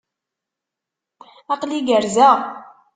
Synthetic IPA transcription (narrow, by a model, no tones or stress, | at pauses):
ɑqliɡəɾzæ